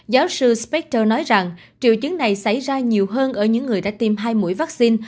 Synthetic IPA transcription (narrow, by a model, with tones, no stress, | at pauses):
zaː˨˦wsɨ˧spɛ˦˥k̚təː˧nɔ˨˦jza˨˩ŋ | t͡ɕḭ˧˨əwt͡ɕɨ˨˦ŋna˨˩jsa˧˩jzaː˧ɲi˨˩əwɦəː˧nʔəː˧˩ɲɨ̰˧˥ŋːɨ˨˩əjɗa̰ː˧˥t̪i˨˩mɦaː˧jmṵ˧˥əjvaː˦˥k̚si˧n